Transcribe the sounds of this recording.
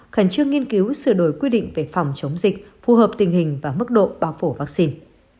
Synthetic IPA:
xaː˧˩ŋt͡ɕɨ˧əŋːi˧ənki˨˦wsɨ˧˩ɗo˨˩jkwi˧ɗḭ˧˨ŋ̟ve˨˩fa˨˩wŋ͡mt͡ɕə˨˦wŋ͡mzï˨˩k̟̚fu˨˩ɦəː˨˩p̚t̪ï˨˩ŋ̟ɦï˨˩ŋ̟vaː˨˩mɨ˦˥k̚ɗo̰˧˨ɓaː˧wfo˧˩vaː˦˥k̚si˧n

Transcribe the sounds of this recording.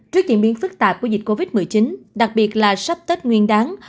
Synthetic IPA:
t͡ɕɨ˦˥ək̚t͡ɕḭ˧˨nɓi˨˦ənfɨ˦˥k̚t̪aː˨˩p̚ku˧˩zï˨˩t̟̚ko˧vi˦˥t̚mɨ˨˩jt͡ɕi˨˦nɗa˨˩k̚ɓi˨˩ət̚laː˨˩sa˦˥p̚t̪ə˦˥t̚ŋwi˧ənɗaː˨˦ŋ

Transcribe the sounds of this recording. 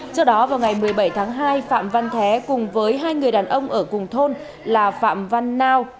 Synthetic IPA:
sɔ˧wɗɔ˨˦vaː˨˩wŋa˨˩jmɨ˨˩əjɓə˧˩jt̪ʰaː˨˦ŋɦaː˧jfa̰ː˧˨mva˧nt̪ʰɛ˨˦kʊ˨˩ŋ͡mvəː˨˦jɦaː˧jŋɨ˨˩əjɗaː˨˩nʔə˧wŋ͡mʔəː˧˩kʊ˨˩ŋ͡mt̪ʰo˧n | laː˨˩fa̰ː˧˨mva˧nːaː˧w

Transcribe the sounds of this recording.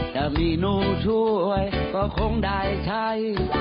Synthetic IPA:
t͡ɕa˧˩miː˧˩nuː˧˩t͡ɕʰu˧˩˧jkɔː˧˩kʰo˧˥ŋɗaː˧˩jt͡ɕ̪ʰa˧˥j

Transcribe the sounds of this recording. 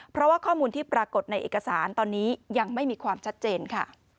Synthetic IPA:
pʰɾɔ˦˥waː˥˩kʰɔː˥˩muː˧nt̪ʰiː˥˩pɾaː˧ko˨˩t̪̚na˧jʔḛː˨˩ka˧saː˩˦nt̪ɔː˧nːiː˦˥ja˧ŋma˥˩jmiː˧kʰwaː˧mt͡ɕʰa˦˥t̪̚t͡ɕeː˧nkʰa˥˩

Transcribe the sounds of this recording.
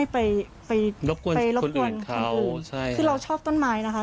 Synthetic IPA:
a˥˩jpa˧j | pa˧jlo˦˥p̚ku˧pa˧jlo˦˥˧ku˧˩ənkʰa˩˧wʔɯː˨t͡ɕʰa˥˩jkʰɯː˧ɾa˧wt͡ɕʰɔː˥˩p̚t̪o˥˩nmaː˦˥jna˦˥kʰa˦˥

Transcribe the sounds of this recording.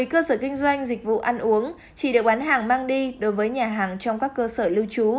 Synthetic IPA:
jkəː˧səː˧˩kï˧ŋ̟zwa˧jŋ̟zï˨˩k̟̚vṵ˧˨ʔa˧nʔu˨˦əŋ | t͡ɕḭ˧˨ɗɨ˨˩ək̚ɓaː˨˦nɦaː˨˩ŋmaː˧ŋɗi˧ɗo˨˦jvəː˨˦jɲaː˨˩ɦaː˨˩ŋt͡ɕɔ˧wŋ͡mkaː˦˥kːəː˧səː˧˩li˧əwt͡ɕu˨˦

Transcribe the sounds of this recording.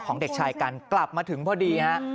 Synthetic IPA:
kʰɔː˩˦ŋde˨˩k̚t͡ɕʰaː˧jka˧nkla˨˩p̚maː˧t̪ʰɯ˩˦ŋpʰɔː˧˩diː˧na˦˥ʔ

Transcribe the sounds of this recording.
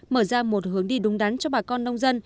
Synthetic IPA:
məː˧˩zaː˧mo˨˩t̚hɨ˨˦əŋɗi˧ɗʊ˨˦ŋ͡mɗa˨˦nt͡ɕɔ˧ɓaː˨˩kɔ˧nːə˧wŋ͡mzə˧n

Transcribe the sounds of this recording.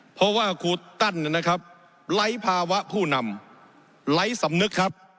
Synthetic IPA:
pʰɔ˦˥waː˥˩kʰuː˧t̪a˥˩nː˧˩na˦˥kʰɾa˦˥p̚ | la˦˥jpʰaː˧wa˦˥ʔpʰuː˥˩na˧m | la˦˥jsa˩˦mnɯ˦˥kʰːa˦˥p̚

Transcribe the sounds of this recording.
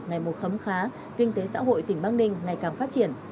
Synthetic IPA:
ŋa˨˩jmo˨˩t̚xə˨˦mxaː˨˦ | kï˧ŋ̟t̪e˨˦sa̰ː˧˥ɦo̰˧˨jt̪ï˧˩ŋ̟ɓaː˧ŋɗï˧ŋ̟ŋa˨˩jkaː˨˩mfa˦˥t̚t͡ɕi˧˩ən

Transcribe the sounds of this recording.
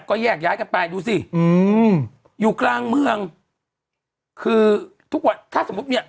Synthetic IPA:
kɔː˥˩jɛː˥˩k̚jaː˦˥jka˧npa˧jduː˧si˨˩ʔɯː˧m | juː˨˩klaː˧ŋmɯ˧əŋ | kʰɯː˧t̪ʰu˦˥k̚wa˨˩nt̪ʰaː˥˩so˩˦u˦˥t̪̚ni˦˥˩ɐ

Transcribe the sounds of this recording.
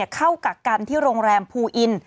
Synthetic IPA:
ɐkʰa˥˩wka˨˩ka˧nt̪ʰiː˥˩ɾoː˧ŋɾɛː˧mpʰuː˧ʔi˧n

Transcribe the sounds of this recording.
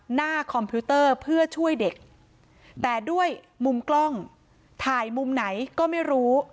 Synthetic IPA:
naː˥˩kʰɔ˧mpʰi˦˥t̪ɤː˥˩pʰɯ˥˩ɐt͡ɕʰu˥˩əjde˨˩k̚ | t̪ɛː˨˩du˥˩əj | mu˧mklɔ˥˩ŋ | t̪ʰaː˨˩jmu˧mna˩˦jkɔː˥˩ma˥˩jɾuː˦˥

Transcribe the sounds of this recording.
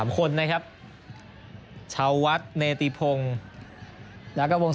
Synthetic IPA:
mkʰo˧nːa˦˥kʰa˦˥p̚ | t͡ɕʰa˧wːa˦˥t̪̚neː˧t̪i˧pʰo˧ŋ | jaː˦˥ka˧˩wo˧ŋ

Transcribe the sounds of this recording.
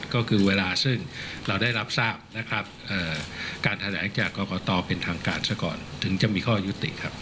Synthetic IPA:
kɔː˥˩kʰɯː˧weː˧laː˧sɯ˥˩ŋɾa˧wdaː˥˩jɾa˦˥p̚saː˥˩p̚na˦˥kʰɾa˦˥p̚ʔəː˨˩kaː˧nt̪ʰa˧lɛː˩˦ŋt͡ɕaː˨˩kːɔː˧kɔː˨˩˦t̪ɔː˧pe˧nt̪ʰaː˧ŋkaː˧nsa˥˩kɔ̰ː˨˩nt̪ʰɯ˩˦ŋt͡ɕa˨˩ʔmiː˧kʰɔː˥˩ju˦˥t̪ːḭ˨˩ʔkʰa˦˥p̚

